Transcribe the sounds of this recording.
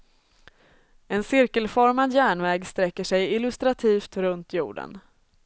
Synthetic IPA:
ɛnsɪɾkəlfɔɾmad̪jæːɳvɛːɡst̪ɾɛkːəʂɛjɪlɵst̪ɾat̪ʰiːft̪ɾɵnt̪ʰjṵːɖə̰n

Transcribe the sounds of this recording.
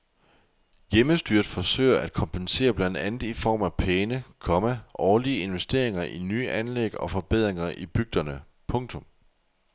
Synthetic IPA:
jeməsd̥yɐd̥fɒ̽sø̰ɪɐʔæd̥kʰɒ̽mpʰense̝̰ːɐb̥lænd̥ænð̩ˠifɒ̰ːmæpʰeːnəkʰɒ̽mæʔɒːliəe̝nʋesd̥e̝̰ɐe̝ŋɐʔinyːʔænleɡ̥ɒ̽fɒ̽b̥eð̞̰ˠʁeŋɐʔib̥yɡ̥̚d̥ɐnə | pʰɔ̽ŋt͡sʰɔ̽m

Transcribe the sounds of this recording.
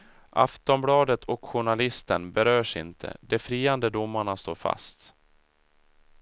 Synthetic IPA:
ʔa̰ft̪ɔmblɑːd̪ət̪ʰɔkɧʊɳalɪst̪ənbɛɾœːʂɪ̰nt̪ʰə̰d̪ɛfɾiːand̪əd̪ʊmːaɳast̪o̰ːɾfa̰st̪

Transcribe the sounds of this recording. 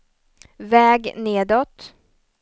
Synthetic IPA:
vɛːɡneːd̪ɔt̪

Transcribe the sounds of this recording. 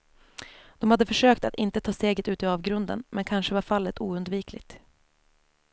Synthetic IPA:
d̪̥ɔmhad̪ːəfœʂøːkt̪at̪ɪnt̪ət̪ʰɑːst̪eːɡət̪ʉ̟ːt̪ɪɑːvɡɾɵnd̪ə̰nmʔɛnkʰanʂəvaɾfalːət̪uːɵnd̪viːkʰlɪ̰ɡ̚t̪

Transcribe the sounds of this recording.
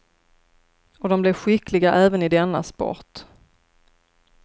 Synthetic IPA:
ɔd̪ɔmblɛvɧɪklɪɡaʔɛːvənɪd̪ɛnːa̰spɔ̰t̪

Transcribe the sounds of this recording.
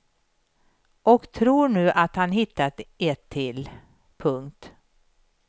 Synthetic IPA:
ʔɔkt̪ʰɾuːɳʉ̟ːʔat̪hanɦɪt̪ːat̪ɛt̪ʰːɪl | pʰɵŋkt̪

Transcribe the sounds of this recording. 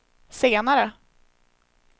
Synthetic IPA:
seːnaɾə

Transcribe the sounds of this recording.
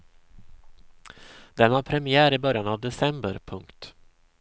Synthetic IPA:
d̪ɛnaɾpʰɾɛmɪæːɾɪbœɾjanavd̪ɛsɛmbə̰ɾpʰɵŋkt̪

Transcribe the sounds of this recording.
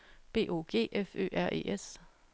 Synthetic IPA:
b̥e̝̰ːʔo̝ːɡ̥e̝̰ːʔefø̰ːʔæɐʔe̝̰ːʔes

